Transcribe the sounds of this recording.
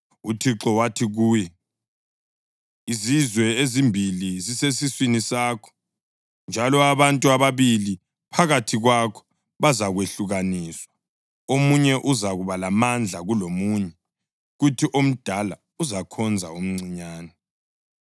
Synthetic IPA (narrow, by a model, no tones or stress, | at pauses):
utʰiǁɔwatʰiɣuːjɛ | izizwɛezimbʱilizisesiswinisaːkʰɔ̥ | nd͡ʒʱalɔaβantʼuaβaβili | pʰaɣatʰiɣwakʰɔ̥ | βazaɣweɬuɣaniːswa | omuɲɛʔuzaɣuβalamand͡ɮʱaɣulomuːɲɛ | ɣutʰiʔom̩d̥ʱala | uzakʰɔnd͡zʱa̰um̩ŋ͡ǀiɲaːnɛ